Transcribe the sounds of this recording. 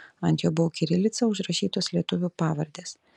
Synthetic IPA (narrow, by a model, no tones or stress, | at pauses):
ɐnʲt̪ʲjoːbʊʋokʲɪɾʲɪlʲɪt̪sʲɐʊʒɾɐʃʲiːt̪oːslʲiɛt̪ʊʋʲupɑːʋɐɾʲd̪ʲeːs